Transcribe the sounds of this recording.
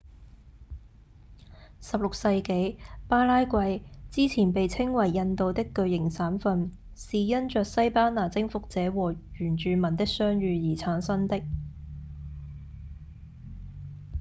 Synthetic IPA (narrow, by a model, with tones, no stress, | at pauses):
sɐ˨p̚lʊ˨k̚sɐ˧jke˨˥jpaː˥laː˥jkʷɐ˧jt͡siː˥t͡sʰiː˨˩npe˨jt͡sʰɪ˥ŋwɐ˨˩jːɐ˧nt̪o˨wt̪ɪ˥kːɵ˧ɥjɪ˨˩ŋsaː˨˥mfɐ˧n | siː˨jɐ˥nt͡ʃœː˨k̚sɐ˥jpaː˥naː˨˩t͡sɪ˥ŋfʊ˨k̚t͡sɛː˨˥wɔː˨˩ɥyː˨˩nt͡ʃyː˨˧mɐ˨˩nt̪ɪ˥k̚sœː˥ŋɥyː˨˧jiː˨˩t͡sʰaː˨˥nsɐ˥nt̪ɪ˥k̚